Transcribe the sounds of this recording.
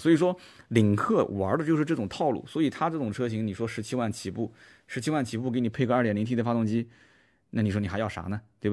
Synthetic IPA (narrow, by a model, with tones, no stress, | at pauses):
swɔ˧˥i˨˩ʂwɔ˥li˨˩ŋkʰɤ˥˩wa̰˧˥d̪ə˧t͡ɕjo˥˧ʊʂɻ̩˥˧ʈ͡ʂɤ˥˩ʈ͡ʂʊ˨˩ŋt̪ʰɑ˥˧ʊlṵ˥˩swɔ˧˥i˨˩t̪ʰa˥ʈ͡ʂɤ˥˩ʈ͡ʂʊ˨˩ŋʈ͡ʂʰɤ˥ɕi˧˥ŋni˨˩ʂwɔ˥ʂɻ̩˧˥t͡ɕʰi˥wa˥˩nt͡ɕʰi˨˩pu˥˩ | ʂɻ̩˧˥t͡ɕʰi˥wa˥˩nt͡ɕʰi˨˩p̬u˥˩ke˧˥ɪni˨˩pʰe˥˧ɪɡə˧˥˩t̪jli˧˥t̪ʰi˥də˧˩fa˥t̪ʊ˥˩ŋt͡ɕi˥ | na˥˩ni˨˩ʂwɔ˥ni˨˩xjɑ˥˩ʊʂa̰˧˥nə˧t̪we˥˩b